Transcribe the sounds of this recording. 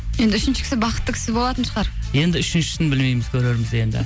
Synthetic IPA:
je̞nd̪ɪʏʃɪnʃɪ̥kʰʲɪ̥sɪbɑqət̪ːəkʲʰɪ̥sɪbo̞lˠɑt̪ənʃəʁɑɾ | je̞nd̪ɪʏʃɪnʃɪ̥t̪ɪnbɪlmejmɪzkʲʰɵɾe̞ɾmɪze̞nd̪ɪ̰

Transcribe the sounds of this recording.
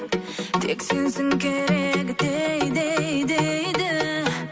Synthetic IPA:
t̪ʰekʲsensɪŋkʲeɾekʲd̪ejd̪ejd̪ejd̪ɪ

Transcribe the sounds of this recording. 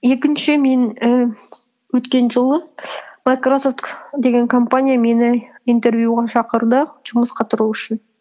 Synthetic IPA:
je̞kʲɪnʃɪme̞nə | wɵt̪kʲe̞nʒəlˠəmajkroso̞ft̪kd̪e̞ɡʲe̞ŋkʰo̞mpanʲijame̞nɪint̪e̞ɾvjuʁɑʃɑqəɾd̪əʒ̥ʊməsqɑt̪ʰʊɾuʏʃɪn

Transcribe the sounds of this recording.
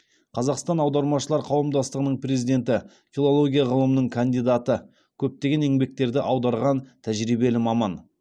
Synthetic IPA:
qʰɑzɑqst̪ɑnɑwd̪ɑɾmɑʃəlˠɑɾqʰɑwəmd̪ɑst̪əʁənəɴpʰre̞zijd̪e̞nt̪ɪ | fʲilˠo̞lˠo̞ɡʲijaʁəlˠəmənəɴkʰand̪ijd̪at̪ə | kʲʰɵp̚t̪e̞ɡʲe̞ne̞ŋbe̞k̚t̪e̞ɾd̪ɪʔɑwd̪ɑɾʁɑnt̪ʰæʒɾijbe̞lɪmɑmɑn

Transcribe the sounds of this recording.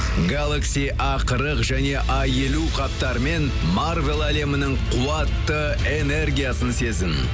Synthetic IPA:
ɡalˠaksij | ɑqəɾəqʒæne̞ʔɑje̞luqʰɑp̚t̪ɑɾəme̞n | marvelˠæle̞mɪnɪɴqʰuɑt̪ːə | e̞ne̞rɡʲijasənse̞zɪn

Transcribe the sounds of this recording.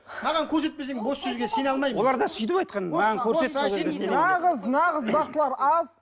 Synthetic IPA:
mɑʁɑŋkʲʰɵɾse̞t̪̚pesd̪ɪŋbo̞sːɵzɡʲesenɑlˠmɑjwo̞lˠɑɾd̪ɑsʏjt̪̬ɪpɑjt̪qɑnmɑʁɑnkʲʰɵɾsesˠeeenɑʁəznɑʁəzbɑsəlˠɑɾɑz

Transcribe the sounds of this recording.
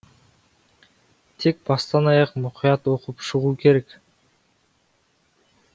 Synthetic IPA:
t̪ʰek̚bɑst̪ɑnɑjɑqmuqʰijɑt̪o̞qupʃuʁuːke̞ɾe̞k

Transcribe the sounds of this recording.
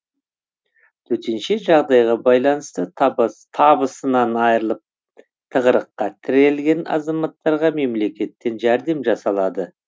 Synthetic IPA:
t̪ʰɵt̪enʃɪʒɑʁd̪ɑjʁɑbɑjlˠɑnəst̪ət̪ʰɑbəsənɑnɑjɾəlˠəp̚ | t̪ʰəʁəɾəqːɑt̪ʰɪɾe̞lɡʲe̞nɑ̰zɑmɑt̪ːɑɾʁɑme̞mle̞kʲe̞t̪ːe̞nʒæɾd̪e̞mʒɑsɑlˠɑd̪ə

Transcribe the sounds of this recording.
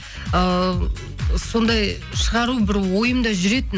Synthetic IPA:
ə | so̞nd̪ɑj | ʃəʁɑɾubɪɾwo̞jəmd̪ɑʒʏɾe̞t̪ɪn

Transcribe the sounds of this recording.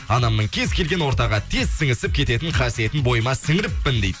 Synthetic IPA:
ɑnɑmnəɴkʲʰe̞zkʲʰe̞lɡʲe̞nwo̞ɾt̪ɑʁɑt̪ʰe̞zsɪŋɪsɪp̚kʲʰe̞t̪e̞t̪ɪɴχʰɑsije̞t̪ɪnbo̞jəmɑsɪŋɪɾɪpːɪnd̪ejd̪ɪ

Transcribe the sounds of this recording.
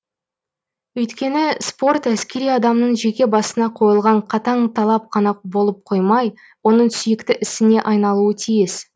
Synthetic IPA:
ɵjt̪kʲe̞nɪspo̞rt̪æskʲe̞ɾijɑd̪ɑmnəɴʒe̞kʲe̞bɑsənɑqʰo̞jəlˠʁɑɴqʰɑt̪ɑɴt̪ʰɑlˠɑp̚qʰɑnɑq̚bo̞lˠəp̚qʰo̞jmɑj | wo̞nəɴsʏjɪkt̪ɪʔɪsɪne̞ʔɑjnɑlˠuət̪ʰijɪs

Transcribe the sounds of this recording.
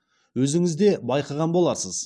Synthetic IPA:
wɵzɪŋɪzd̪e̞bɑjqɑʁɑnbo̞lˠɑɾsəz

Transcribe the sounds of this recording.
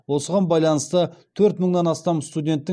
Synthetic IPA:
wo̞səʁɑnbɑjlˠɑnəst̪ət̪ʰɵɾt̪məɴd̪ɑnɑst̪ɑmst̪ud̪ʲe̞nt̪ːɪ

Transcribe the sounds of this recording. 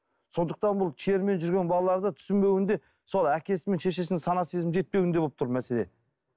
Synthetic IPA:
so̞nd̪əq̚t̪ɑnbʊlˠt͡ʃʰie̞ɾme̞nʒʏɾɡʲe̞nbɑlˠɑlˠɑɾd̪ət̪ʰʏ̥sɪmbe̞wɪnd̪e̞ | so̞lˠækʲʰe̞sɪme̞nʃe̞ʃ̬e̞sɪnsɑnɑt̪sizmʒe̞t̪̚pe̞wɪnd̪e̞oəpt̪ʰʊɾmæse̞le̞

